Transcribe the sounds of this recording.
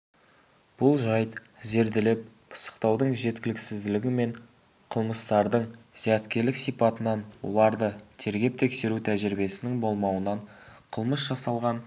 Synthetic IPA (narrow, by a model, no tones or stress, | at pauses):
b̥ʊlˠʒɑjt̪ | ze̞ɾd̪ɪlɪp̚ | pʰə̥sə̥qt̪ɑwd̪əɴʒe̞t̪kʲɪlɪksɪzd̪ɪlɪɡʲɪme̞ɴ | qʰəlˠməst̪ɑɾd̪əɴzijæt̪kʲe̞ɾlɪksijpɑt̪ənɑnwo̰lˠɑɾd̪ət̪ʰe̞ɾɡʲe̞p̚t̪ʰe̞kse̞ɾut̪ʰæʒɪɾbe̞sɪnɪŋbo̞lˠmɑwənɑɴqʰəlˠməsʒ̥ɑsɑlˠʁɑn